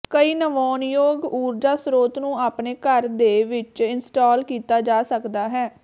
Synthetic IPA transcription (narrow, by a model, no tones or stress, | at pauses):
kəiːnəʋɔːnjoːɡuːɾd͡ʒaːsɾoːt̪nũːaːpneːkəɾd̪eːʋɪt͡ʃɪnsʈɔːlkiːt̪aːd͡ʒaːsəkd̪aːɦɛː